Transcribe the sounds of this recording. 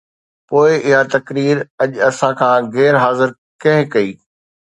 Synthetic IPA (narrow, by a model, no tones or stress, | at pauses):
poːɪʔɪɦat̪ɐkɾiːɾɐʄɐsãkʰãːɣɛːɾɦaːzɪɾ | kɐ̃ɦɪ̃kɐiː